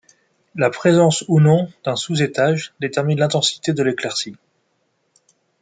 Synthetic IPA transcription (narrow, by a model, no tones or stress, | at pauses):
lapχezɑ̃sunɔ̃d̪̥ɛ̃suzet̪aʒd̪et̪ɛʁminlɛ̃t̪ɑ̃si̥t̪ed̪əleklɛʁsi